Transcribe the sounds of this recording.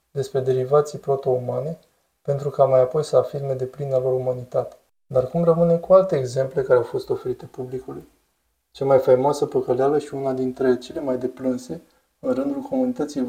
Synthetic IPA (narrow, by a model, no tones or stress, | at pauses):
d̪e̞spɾe̞d̪e̞ɾivat̪sijpɾo̞t̪o̞umane̞ | pe̞nt̪ɾukamajapo̞jsəafirme̞d̪e̞plinalo̞ɾumanit̪at̪e̥ | d̪arkumrəmɨne̞kualt̪e̞ːɡze̞mple̞kaɾeawfo̞st̪o̞fe̞ɾit̪e̞publikuluj | t͡ʃamajfejmoasəpəkəlealəʃiunad̪int̪ɾe̞t͡ʃe̞le̞majd̪e̞plɨnse̞ | ɨnrɨnd̪ulko̞munit̪ət̪sijej